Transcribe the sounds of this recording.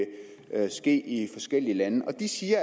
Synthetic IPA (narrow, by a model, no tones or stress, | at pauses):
sɡ̥e̝̰ːifɒ̽sɡ̥el̰iəlænəʔɒ̽d̥isiːɐ